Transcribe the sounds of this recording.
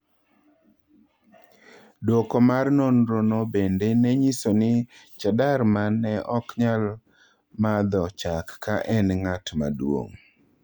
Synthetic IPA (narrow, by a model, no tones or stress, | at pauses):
dokomarnonɾonobendenɛɲisonɪt͡ʃadaɾmanːɛʔɔkɲal | mad̪ɔt͡ʃakːaʔɛnŋatma̰dwo̰ŋ